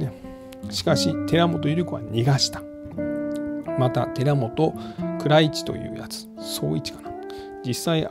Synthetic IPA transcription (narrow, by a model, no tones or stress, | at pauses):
ne | ɕi̥kaɕit̪e̞ɾamo̞t̪ojɯ̟ɾɯ̟koβa̰ɲʲiɡaɕi̥t̪ḁ | mat̪a̰t̪e̞ɾamo̞t̪o̞kɯ̟ɾait͡ɕi̥t̪o̞̰jɯ̟̰ːjat͡sɨ̥ | so̞̰ːit͡ɕi̥kḁnḁ | d͡ʑisːai